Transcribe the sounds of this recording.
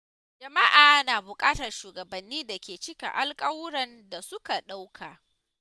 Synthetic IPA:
d͡ʒɐ˨ma˦ʔaː˨naː˨bʊ˨kʼaː˦tɐ˨rʃuː˨ɡɐ˨bɐ˨nːiː˦da˨kʲeː˨t͡ʃɪ˦kʲa̰˨ʔa˦lkʼɐ˦wʊ˦ɽɐ˨nda˨sʊ˦ka˨ɗa˦wkʰaː˨

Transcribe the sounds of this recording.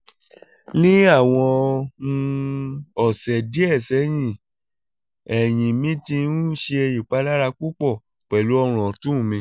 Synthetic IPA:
nĩ˦a˦˨w̃ɔ̃˧nũ˧ | ɔ˨sɛ˨di˦ɛ˦˨sɛ˨˦j̃ĩ˦˨ | ɛ˨j̃ĩ˨mĩ˨˦tĩ˧˦nũ˦ʃe˧e˧ji˨k͡pa˨˦la˦ɾa˧k͡pu˦k͡pɔ˦˨ | k͡pɛ˨lu˨˦ɔ˧ɾ̃ɔ̃˨tũ˦˨mĩ˧

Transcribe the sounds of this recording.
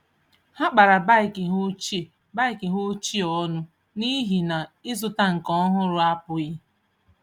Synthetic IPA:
ha˦k͡pa˨ɾa˨ba˦ɪ˨kɪ˨ɦʊ˦t͡ʃi˦˨ | ba˦ɪ˨kɪ˨ɦʊ˦t͡ʃi˦ɔ˦nʊ˦ | ni˦ɦi˨na˨ɪ˦zʊ˦ta˦ŋ̩˨kɔ˦ɦʊ˦ɾʊ˦a˦pʊ˨ɣɪ˦

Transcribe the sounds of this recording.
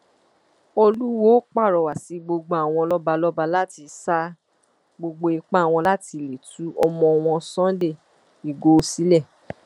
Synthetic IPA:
o˧lu˦wo˦k͡pa˦˨ɾɔ˨wa˨si˨˧ɡ͡bo˧ɡ͡bo˧˦a˨w̃ɔ̃˧lɔ˦ba˧lɔ˦ba˧la˦ti˧sa˦ | ɡ͡bo˧ɡ͡bo˧i˧k͡pa˦˨w̃ɔ̃˧la˦ti˧le˨tu˨˦ʔɔ˧mɔ̃˧w̃ɔ̃˧sɔ̃˦de˦˨ | i˨ɡo˨˦˧si˦lɛ˦˨

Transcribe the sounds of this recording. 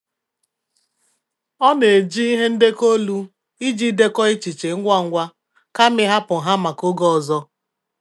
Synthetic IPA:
ɔ˦ne˨d͡ʒi˦i˦ɦe˦n̩˦de˦ko˦lu˦ | i˦d͡ʒi˦de˦kɔ˦i˦t͡ʃi˨t͡ʃe˨ŋ̩˦ɡʷa˦˨ŋ̩˦ɡʷa˦ | ka˦mɪ˦ɦa˦pʊ˨ɦa˦ma˨ko˦ɡɔ˦ɔ˨zɔ˦

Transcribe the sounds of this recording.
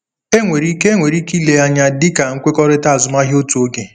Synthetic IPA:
e˦ŋʷe˨ɾi˦ke˦ŋʷe˨ɾi˦ki˦le˨a˦ɲa˦dɪ˦ka˨ŋ̩˦kʷe˦kɔ˦ɾɪ˦ta˦˨zʊ˨ma˦ɦo˦tu˨o˦ɡe˨

